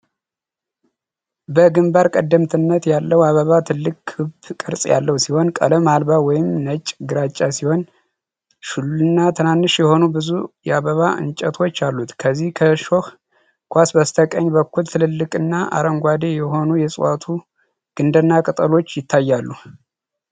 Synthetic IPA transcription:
bəɡɨmbaɾkʼəd̪ːəmt̪ʰɨnːət̪jalːəwaβəβat̪ʰɨlːɨkʼʰɨbkʼɨɾsʼja̰lːəwsiho̞nkʼə̰ləmalbawɔjɪmnət͡ʃʼɡɨɾat͡ʃʼːasiho̞n | ʃululɨnːat̪ʰɨnanːɨʃjɛho̞nubɨzujɛaβəβaʔɨ̰nt͡ʃʼɛt̪ʰo̞t͡ʃːalːut̪kʰəzːihkʰəʃo̞h | kʰʷasbast̪ʰəkʼəɲːbəkːult̪ʰɨlɨlːɨkʼɨnːaʔa̰ɾəŋɡʷad̪e̞jɛɦo̞nujɛsʼwat̪ʰu | ɡ̥ɨnd̪ənːakʼɨt̪ʼəlo̞t͡ʃːjɪt̪ʰːajːalːu

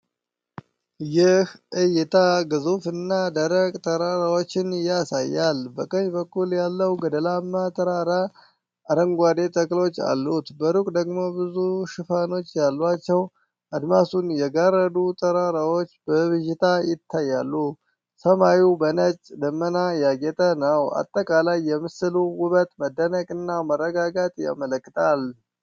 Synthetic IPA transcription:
jɪhʔɨjɪt̪ʰaɡɨzufɨnːad̪əɾəɡʼt̪ʼəɾaɾawo̞t͡ʃːɪnjasa̰jːalbəkʼəɲbəkːuljalːəwɡəd̪əlamːat̪ʰʼəɾaɾaː | ɾəŋɡʷad̪e̞t̪ʼəkʼlo̞t͡ʃːa̰lːut̪bəɾukʼd̪əɡmo̞bɨzuʃɪfano̞t͡ʃːjalːat͡ʃːɛw | ad̪masunjɛɡaɾəd̪ut̪ʰʼəɾaɾawo̞t͡ʃːbəβɨʒɪt̪ʰajɪt̪ʰːajːalːu | səmajubənət͡ʃʼd̪əmːənajaɡɛt̪ʼənəwa̰t̪ʼːəkʼalajːɛmɨsɨluwʊβət̪ʼməd̪ːənəkʼɨnːamərːəɡaɡat̪ʼja̰mələkʼːɨt̪ʼal

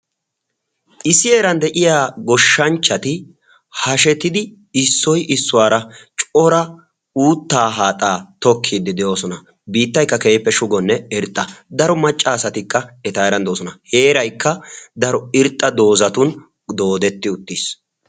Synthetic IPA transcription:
ʔɪsɪeːɾɐnd̪ɛʔɪjaːɡɔʃːɐnt͡ʃːɐt̪ɪ | hɐʃɛt̪ɪd̪ɪ | ɪsːɔjʔɪsːʊwaːɾɐt͡ʃʼɔɾɐ | uːt̪ːaːɦaːt̪ʼaːt̪ɔkʰːid̪ːɪd̪ɛʔo̞ːsɔnɐ | biːt̪ːɐjkːɐkeːpːɛʃʊɡɔnːɛɪɾt̪ʼːɐd̪ɐɾɔmɐt͡ʃʼːaːsɐt̪ɪkːɐɛt̪aːɾɐnd̪oːsɔnɐheːɾɐjkːɐd̪ɐɾɔɪɾt̪ʼːɐd̪o̞ːzɐt̪ʊn | d̪o̞ːd̪ɛt̪ːɪʊt̪ːis

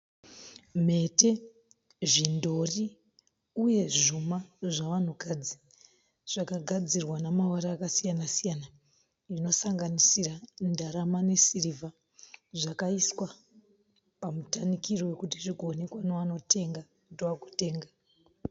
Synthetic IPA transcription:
m̤e̞te̞ | ʐindo̞ri | uje̞ʐumaʐaʋan̤ukad͡zi | ʐ̥akaɡʱad͡zirwanamawaɾaːkasijanasijana | ino̞saŋɡanisirandaɾamane̞sirivʱa | ʐakaiswa | pamutanikiriwe̞kutiriɡonekwanoʋano̞te̞ŋɡa | udoakute̞ːŋɡa

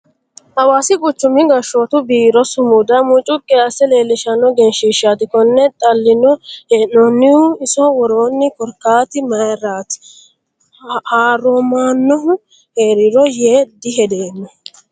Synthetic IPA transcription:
ʔɐwaːsɪkʼʊt͡ʃːʊmɪɡɐʃoːt̪ʊbiːɾɔsʊmud̪ɐmʊt͡ʃʼʊkʼːɪɐsɛle̞ːlːɪʃɐnːɔɡɛnʃiʃaːt̪ɪkɔnːɛt̪ʼɐlːɪnɔenɔnːɪʊɪsɔwɔɾo̞ːnːɪkɔɾkːaːt̪ɪmɐjɾaːt̪ɪ̥ | haːɾomaːnːɔɦʊ | heːɾɪɾɔjeːd̪ɪɦɛd̪eːnːɔ

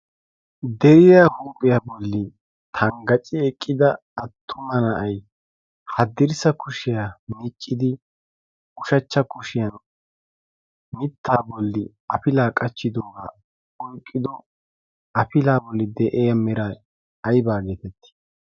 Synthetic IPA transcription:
d̪ɛɾɪjaːhuːpʼɪjabɔlːɪ | t̪ʰɐŋɡɐt͡ʃʼɪɛkʼːɪd̪ɐː | t̪ʰːʊmɐnɐʔɐj | hɐd̪ɪɾsɐkʊʃɪjamit͡ʃʼːɪd̪ɪ | ʊʃɐt͡ʃːɐkʊʃɪjɐn | mɪt̪ːaːbɔlːɪ | ɐpɪlaːkʼɐt͡ʃːɪd̪oːɡa̰ː | ɔjkʼːɪd̪ɔ | ɐpɪlaːbɔlːɪd̪ɛʔeːjɐmɪɾa | ɐjbaːɡeːt̪ɛt̪ːɪ̥

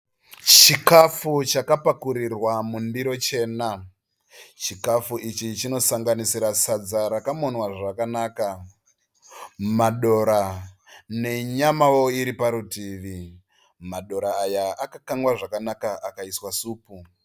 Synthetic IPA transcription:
t͡ʃikafut͡ʃakapakuɾirwamundiɾo̞t͡ʃe̞ːna | t͡ʃikafuʔit͡ʃit͡ʃino̞saŋɡanisiɾasad͡zaɾakamo̞nwaʐakanaːka | maɗo̞ɾa | ne̞ɲamawo̞iɾipaɾutiːʋi | maɗo̞ɾaːjaakakaŋɡwaʐakanakaakaiswasuːpu

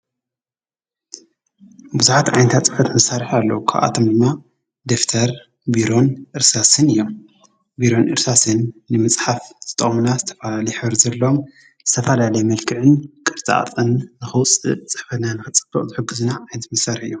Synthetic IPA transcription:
bɨzuħat̪ʕa̰jnt̪ʰat͡sʼɨfɐt̪mɐsːaɾɨħalːɐ̰wukʰa̰βʔa̰t̪ʰo̞md̪ɨmːa | d̪eft̪ʰɐɾ | biɾo̞nʔɨɾsasɨnɨjːo̞m | biɾo̞nʔɨ̰ɾsasɨnːɨmɨt͡sʼħafzʰɨt̪ʼɐχʼmunazɨt̪ʰɐ̥fɐlalɐjħɨβɾzɐlːɐom | z̥ɨt̪ʰɐfɐlalɐjmɐlkʰɨʕɨnkʼɨɾt͡sʼa̰ʔt̪ʼɨnːɨxɨwt͡sʼɨ̰t͡sʼɨħfɐt̪nanɨxɨt͡sʼɨb̥ːɐχʼzɨħɨɡːɨzunaʕajnɐt̪mɐsaɾɨħɨjːom

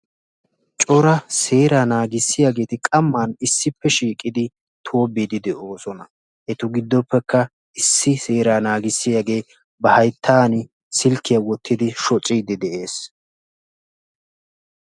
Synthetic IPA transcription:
t͡ʃʼɔɾɐse̞ːɾaːnaːɡɪsːɪjaːɡe̞ːt̪ɪkʼɐmːaːnɪsːɪpːɛʃiːkʼːɪd̪ɪ | t̪ʰoːbːid̪ɪd̪ɛʔo̞ːsɔnɐ | ʔɛt̪ʊɡɪd̪ːɔpːɛkːɐ | ɪsːɪse̞ːɾaːnaːɡɪsːɪjaɡe̞ː | bɐhɐjt̪ʰːaːnɪ | sɪlkːɪjɐwɔt̪ʰːɪd̪ɪʃɔt͡sʼɪd̪ɪd̪ɛʔe̞ːs

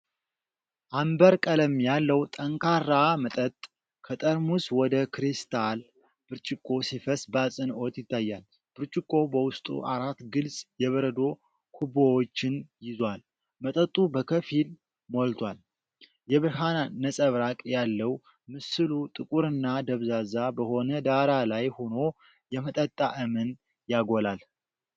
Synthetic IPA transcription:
ʔambəɾkʼələmjalːəwt̪ʼəŋkʰaɾamət̪ʼət̪ʼ | kʰət̪ʼəɾmuswɔd̪əkʰɾist̪ʰal | b̥ɨɾt͡ʃʼɪkʼːo̞sifəsbəasʼɨno̞t̪jɪt̪ːajːal | b̥ɨɾt͡ʃʼɪkʼːo̞bəwʊst̪ʼṵʔaɾat̪ːɡɨlsʼjɛβəɾəd̪o̞ | kʰubowot͡ʃːɪnjɪzwal | mət̪ʼət̪ʼubəkʰəfil | molt̪ʰwal | jɛβɨɾɦananəsʼəβɾakʼjalːəw | mɨsɨlut̪ʼɨkʼuɾɨnːad̪əβzazabəho̞nəd̪aɾalajhono̞ | jɛmət̪ʼət̪ʼːaʔəmɨn | jaɡolal

